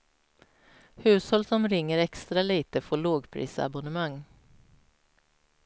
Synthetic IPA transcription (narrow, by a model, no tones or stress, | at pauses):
hʉ̟ːshɔlsɔmɾɪŋːəɾɛkst̪ɾaliːt̪əfoːɭoːɡpʰɾḭːsa̰bʊnəmaŋː